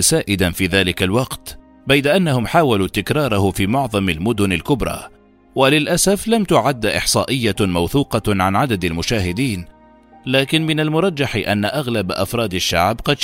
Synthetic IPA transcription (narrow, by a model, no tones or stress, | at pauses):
saːʔɪd̪anfiːðaːlɪkalwɑqt̪ | bajd̪aʔanːahʊmħaːwaluːt̪ɪkɾˤɑːɾˤɑhʊfiːmʊʕðˤɑmalmʊd̪ʊnalkʊbɾˤɑ̰ː | walɪlʔasaflamt̪ʊʕad̪ːaʔɪ̰ħsˤɑːʔɪjːamawθuːqɑʕanʕad̪ad̪almʊʃaːɦɪd̪iːn | laːkɪnmɪnalmʊɾˤɑd͡ʒːaħʔanːaʔaɣlabʔa̰fɾˤɑːd̪aʃːaʕbqɑd̪